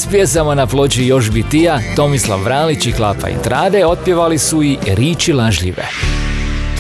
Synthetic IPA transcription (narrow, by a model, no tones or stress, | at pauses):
spjesamanaplˠo̞t͡ɕijo̞ʃbit̪ijat̪o̞mislˠa̰ʋːɾaːlit͡ɕiklˠapa̰ḭnt̪ɾaːd̪eo̞t̪̚pjeʋalisuiɾiːt͡ɕilaʒʎḭʋḛ